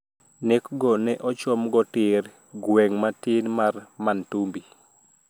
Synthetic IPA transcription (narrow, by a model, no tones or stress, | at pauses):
nekɡɔnɛʔɔt͡ʃɔmɡɔtɪɾ | ɡweŋmatɪnmarmantumbi